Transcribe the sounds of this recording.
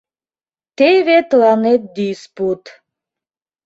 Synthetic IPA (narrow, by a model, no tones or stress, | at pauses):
t̪evet̪lanet̪̚d̪isput̪